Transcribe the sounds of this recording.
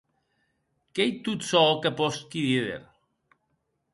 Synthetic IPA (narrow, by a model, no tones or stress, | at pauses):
kejt̪ut̪sɔkapɔskiðiðḛɾ